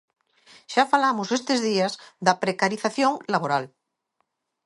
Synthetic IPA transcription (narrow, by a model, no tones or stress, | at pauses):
ʃafalamosest̪ezðiazðapɾekaɾiθaθjõŋlaβoɾal